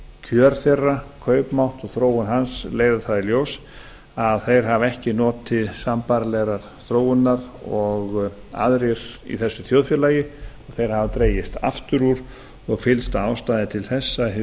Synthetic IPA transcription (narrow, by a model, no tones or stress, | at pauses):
cʰœɾθɛrːakʰœːɥpmawht̪ɔɣθɾoːwʏnɦansleːjðaθaðiljows | aðθejɾ̥ɦavɛhcɪnɔːt̪ʰːɪðsampaɾlɛɣɾaɾ̥θɾoːwʏnnaɾɔɣ | a̰ðɾɪɾ̥ḭθɛsːʏθjoːwðfjʏlaːjɪɔɣθejɾ̥havat̪ɾeːjɪst̪a̰ft̪ʏɾuɾ̥ | ɔɣfɪlst̪aːwst̪aːjðɪt̪ʰɪlθɛsːa